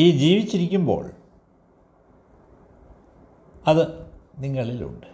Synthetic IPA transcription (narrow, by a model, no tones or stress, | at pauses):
iːd͡ʑiːʋit͡ɕːiɾikʲːumbo̞̰ːɭ | ɐðɨ | niŋːɐɭilṵɳɖɨ̥